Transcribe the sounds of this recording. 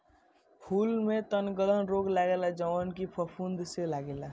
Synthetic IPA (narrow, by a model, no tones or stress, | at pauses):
pʰulmet̪ənɡələnɾoɡlaɡelad͡ʒəʋankipʰəpʰund̪selaɡela